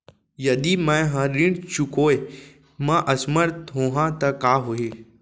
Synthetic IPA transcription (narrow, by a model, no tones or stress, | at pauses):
jɐd̪imɛ̃ɦãɾĩɖt͡ʃʊkoːe | mãʔɐsməɾt̪ɦoːɦãt̪ɐkaːɦoi